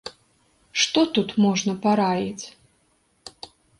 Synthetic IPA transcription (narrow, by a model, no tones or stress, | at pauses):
ʂt̪ɔt̪ut̪mɔʐnɐpaɾajit͡sʲ